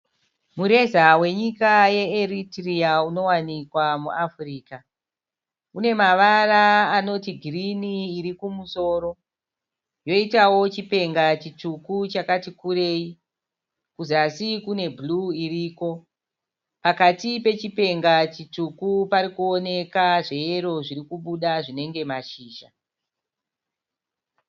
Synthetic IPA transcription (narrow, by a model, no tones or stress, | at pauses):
muɾe̞zawe̞ɲikaje̞eritriauno̞wanikwamuʔafriːka | une̞maʋaraːno̞tiɡʱiriniːɾikumuso̞ːɾo̞ | jo̞itawo̞t͡ʃipe̞ŋɡat͡ʃitukut͡ʃakatikuɾe̞i | kuzasikune̞bʱluiriːko̞ | pakatipe̞t͡ʃipe̞ŋɡat͡ʃit͡ʂukupaɾikuo̞ne̞kaʐe̞je̞ɾo̞ʐiɾikuɓuɗaʐine̞ŋɡe̞maʃiːʃa